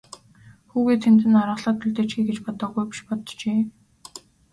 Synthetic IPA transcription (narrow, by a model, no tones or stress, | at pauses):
xuːɣeːt̪ʰemt̪ɘ̆naɾʁə̆ɮɔːt̪ʰːɵɮt̪eːt͡ɕɡiːɡet͡ɕpɔt̪ɞ̆ɡujpi̥ʃpɔt̪t͡ɕeː